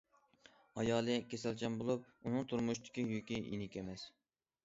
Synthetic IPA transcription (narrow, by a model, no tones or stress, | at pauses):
ɑjɑːlˠɨkʲesælt͡ʃʰɛmbolˠup̚ | unɨŋt̪ʰuɾmuʃt̪ɪ̥kʲijykʲijḭnɪkʲemɛs